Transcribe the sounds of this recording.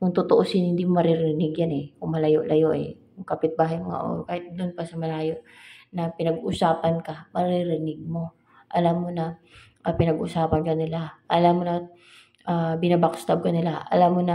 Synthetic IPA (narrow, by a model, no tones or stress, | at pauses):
kʊŋt̪ʊt̪oʔosɪnhɪnd̪iːmomɐɾɪɾɪɾɪnɪɡjanɛkʊŋmɐlɐjoʔlʔɐjoʔɛ̰ | jʊŋkɐpɪt̪̚baːɦɐjmɐŋa̰ʔo̰ːɾokaːhɪt̪̚d̪ʊnpɐsɐmɐlaːjo̞ʔnɐpɪnɐɡʔʊsaːpɐnkɐmɐɾɪɾɪnɪɡ̚mo̞ | ʔɐlamːonɐ | ʔɐpɪnɐɡʔʊ̰saːpɐnkɐnɪlaʔɐlamːonɐ | ʔaːbɪnɐbakst̪ab̚kɐnɪlaʔɐ̰lamːonɐ